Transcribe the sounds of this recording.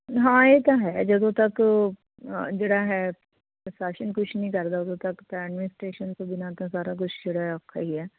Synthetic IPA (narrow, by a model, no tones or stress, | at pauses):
ɦãːeːt̪ãɦɛːd͡ʒəd̪õːt̪ɐk | d͡ʒeːɽaːɦɛː | saːʃənkʊt͡ʃʰnĩkəɾd̪aːʊd̪õːt̪ɐkt̪ãɛːɖmɪnɪsʈɾeːʃənt̪õbɪnaːt̪ãsaːɾak̬ʊt͡ʃʰd͡ʒeːɽaːɦɛəkʰːa̰ːɦiɛː